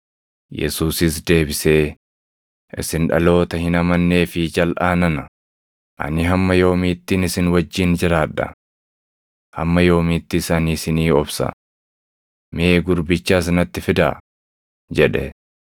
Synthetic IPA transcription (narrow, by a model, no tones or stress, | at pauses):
jɛ̰suːsɪs̬d̪e̞ːbɪse̞ː | ʔɪ̰sɪnᶑɐ̰lo̞ːt̪ɐhɪnɐmɐnːe̞ːfɪd͡ʒɐlʔaːnɐnɐ | ʔɐ̰nɪɦɐmːɐjo̞ːmiːt̪ːiːnɪsɪnwɐd͡ʒːiːnd͡ʒɪɾaːᶑːɐ̰ | hɐ̰mːɐjo̞ːmiːt̪ːɪsɐnisɪniːɔbsɐ̰ | meːɡʊɾbɪt͡ʃːaːs̬ɪnɐt̪ːɪfɪd̪a̰ | d͡ʒɛᶑɛ